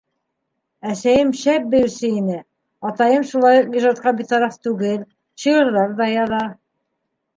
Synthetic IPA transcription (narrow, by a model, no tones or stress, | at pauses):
æsæjɘmʃæp̚bɘ̆jɘ̆sɘinɘ | ɑt̪ɑjɤmʃulˠɑjuq̚iʒɑt̪̚qɑbit̪ɑɾɑft̪ʉɡɘl | ɕɤjɤ̆ɾðɑɾðɑjɑðɑ